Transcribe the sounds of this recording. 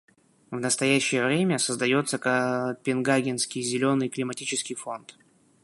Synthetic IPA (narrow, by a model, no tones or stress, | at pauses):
vnəst̪ɐjæɕːɪjəvɾʲemʲəsəzd̪ɐjo̞t̪səkəpʲɪnɡaɡʲɪnskʲɪjzʲɪlʲo̞nːɨjklʲɪmɐtʲit͡ɕɪskʲɪjfo̞nt̪